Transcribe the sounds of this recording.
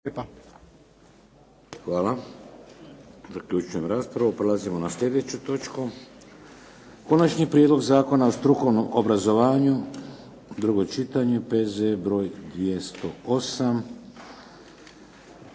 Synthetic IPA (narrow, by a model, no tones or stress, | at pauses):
xʋaːla | zakʎut͡ʃuje̞mɾaːspɾaʋupɾelazimo̞naslʎʲe̞d̪e̞t͡ɕut̪o̞t͡ʃku | ko̞nat͡ʃɲipɾʲijed̪loɡzaːko̞naost̪ɾuko̞ʋnomʔobɾazo̞ʋaːɲu | d̪ɾuɡo̞t͡ʃit̪aɲepezebɾo̞ːjd̪ʋje̞st̪o̞o̞sam